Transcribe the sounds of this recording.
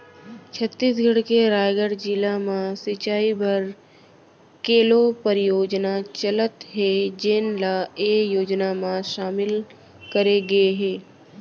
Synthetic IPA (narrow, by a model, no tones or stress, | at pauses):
t͡ʃʰət̪ːiːs̬ɡʱɐɽkeɾaːjɡəɽd͡ʒɪlamãsɪt͡ʃaːibəɾ | keːlopəɾɪjoːd͡ʒnat͡ʃələt̪ɦed͡ʒenlaeːjoːd͡ʒnamãʃaːmɪl | kɐɾeɡɐeɦɛ̃ː